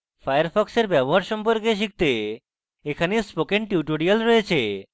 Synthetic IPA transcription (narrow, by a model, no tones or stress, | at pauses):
fajaɾfʰɔkseɾbɛboɦaɾʃɔmpoɾkeʃ̬ik̚t̪e | ekʰanespokeɳʈiuʈoɾialɾojet͡ɕʰe